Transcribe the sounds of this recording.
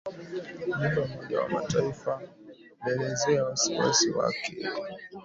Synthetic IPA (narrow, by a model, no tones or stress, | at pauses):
midɔumɔʄa̰wa̰mataifa | nɛlɛzɛawasiwa̰siwa̰kʰɛ